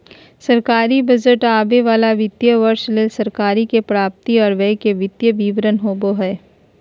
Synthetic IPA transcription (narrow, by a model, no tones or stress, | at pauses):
sɐɾkaːɾibɐd͡ʒəʈaːbeʋaːlaʋɪt̪jəʋəɾʃleːlsɐɾkaːɾikepɾaːp̚t̪iɔːɾʋɛkeʋɪt̪jəʋiːʋɾənɦoːboɦɛː